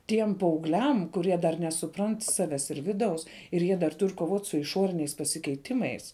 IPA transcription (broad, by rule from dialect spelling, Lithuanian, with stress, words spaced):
ˈtʲiɛm pɐɐʊɡˈlʲɛm kʊˈrʲiɛ dɐr nʲɛsʊˈprɐnt ˈsɑːʋʲɛs ɪr ˈʋʲɪˌdɐʊs ɪr ˈjiɛ dɐr ˈtʊrʲ koːˈʋoːtʲ sʊ ɪˈʃoːrʲɪnʲɛɪs pɐsʲɪkʲɛɪˈtʲɪmɐɪs